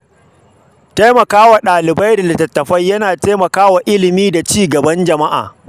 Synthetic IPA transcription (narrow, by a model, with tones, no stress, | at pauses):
ta˦jmɐ˨kaː˦wa˨ɗaː˨lɪ˨ba˦jdɐ˨da˨tɐ˨tːɐ˨ɸɐ˦jːɐ˦naː˨teː˦mɐ˨kaː˦wa˨ʔɪ˦lɪ˨miː˦da˨t͡ʃiː˦ɡɐ˨bɐ˦nd͡ʒɐ˨ma˦ʔa̰ː˨